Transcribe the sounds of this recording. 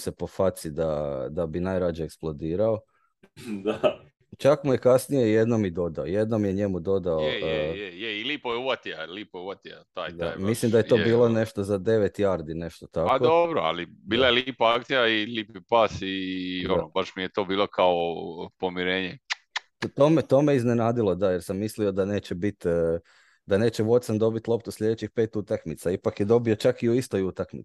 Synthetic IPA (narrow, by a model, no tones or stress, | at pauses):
sepo̞fat̪sid̪ad̪abinajɾad͡ʑeeːksplˠo̞d̪iːɾao | d̪a | t͡ʃakmuje̞kasnijejed̪nomid̪o̞d̪aojed̪nomjeɲe̞mud̪o̞d̪aojejeiliːpojeuʋat̪ialiːpojeuʋat̪ijat̪aːjd̪ajmislimd̪ajet̪o̞bbiːlˠone̞ʃt̪ozad̪e̞ʋet̪jaɾd̪ine̞ʃt̪ot̪akaod̪obɾoa̰libiːlˠajeliːpaakt̪sijailiːpipasionobaʃmijet̪o̞ːbiːlˠokaopo̞miɾeːɲe | t̪omet̪o̞meizne̞naːd̪ilˠo̞d̪ajeɾsamːislio̞d̪ane̞ːt͡ɕebit̪ː | d̪ane̞ːt͡ɕeʋo̞t̪samd̪o̞bit̪lˠo̞pt̪uslʎʲe̞d̪et͡ɕixpe̞ːt̪ut̪akmit̪saipakjed̪o̞bio̞t͡ʃakiuist̪o̞jut̪akmḭ̥